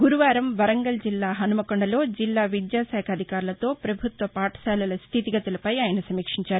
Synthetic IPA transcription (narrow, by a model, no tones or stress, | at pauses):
ɡuɾuʋaːɾɐmʋɐɾɐŋɡɐld͡ʒilːaːɦɐnumɐkoɳɖɐlo̞ːd͡ʒilːaːʋid̪jaːsɛːkʰɐd̪ʱikaːɾulɐt̪o̞ːpɾɐbʱut̪ʋɐpaːʈɐ̥saːlɐlɐst̪ʰit̪iɡɐt̪ɐlɐpɐjaːjɐnɐsɐmiːkʂiɲt͡ʃaːɾu